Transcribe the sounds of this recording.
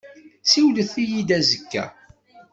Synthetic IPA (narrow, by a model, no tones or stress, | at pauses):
siwləθijid̪æzəkːæ̰